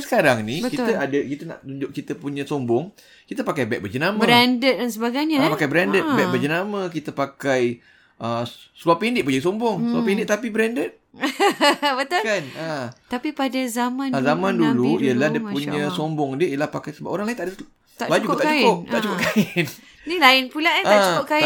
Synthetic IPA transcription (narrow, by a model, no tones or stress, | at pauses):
sə̥kaɾaŋnikit̪əadəkit̪əna̰ʔt̪uɲd͡ʒʊk̚kit̪əpuɲə̃sombʊŋ | kit̪əpakajbɛk̚bəd͡ʒənaməə̃ɾɛndət̪̚dansəbaɡajɲapakajbəɾɛndət̪̚bɛk̚bərd͡ʒənaməkit̪əpakaj | ʔəsəluapindɪʔpuɲasombʊŋsəluapindɪtʔ̚t̪ap̬ibəɾɛndət̪̚ | bət̪ʊlkanat̪apipadazamãnazamãnduluiəlahdiəpuɲə̃sombʊŋdiəijəlahpakajsəbapʔoɾaŋlajɪnt̪aʔdə | t̪a̰ʔbad͡ʒd͡ʒukut̪akat͡ʃkʊp̚t̪a̰ʔt͡ʃukʊkaɪn | nilaɪnpulaat͡ʃukʊka